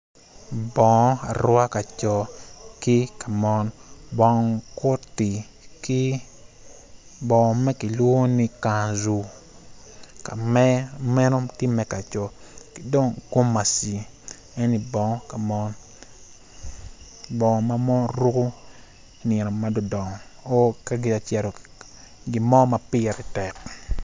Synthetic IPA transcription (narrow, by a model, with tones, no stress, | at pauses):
bɔ˨ŋɔ˦a̰˨ɾwa˦ka˨t͡ʃɔ˨kɪ˦ka˨mɔ˦nbɔ˨ŋkʊ˦ti˨ | ki˦ | bɔ˨ŋ˨mɛ˦ki˨lwo˦ni˦ka˨nzu˨ | ka̰˨mɛ˦mɛ˦no˦ti˦mɛ˨ka˨t͡ʃɔ˨ | ki̥˦do˦ŋko˦mːa˨si˨ | ɛ˦ni˨bɔ˨ŋɔ˦ka˨mɔ˦n | bɔ˨ŋɔ˨ma˦mɔ˦ɾu˦ku˦˨ | nɛ˨no˨ma˦do˦˨dɔ˨ŋɔ˨o˦ka˦ɡi˨a˨t͡ʃɛ˨ɾo˨ | ɡi˨mɔ˦ma˨pɪ˦˨ɾi˨tɛ˨k